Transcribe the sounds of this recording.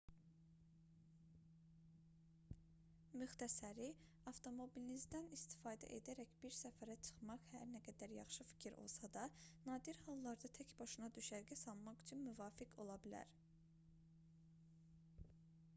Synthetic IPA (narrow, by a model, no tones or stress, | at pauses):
myxt̪ʰæsæɾi | ɑft̪ʰo̞mo̞bilinizd̪ænist̪i̥fɑːd̪æ̰ʔḛd̪æɾæçb̥iɾsæfæɾæt͡ʃʰɯ̥χmɑχhæɾnæɡæd̪æɾjɑ̰χʃɯfi̥cʰiɾʔo̞̰lˠsɑd̪ɑnɑːd̪iɾhɑlˠːɑɾd̪ɑt̪ʰæcbɑʃɯnɑd̪yʃæɾɡæsɑlˠmɑχyt͡ʃʰynmyvɑːfikʰo̞lˠɑbilæ̰ɾ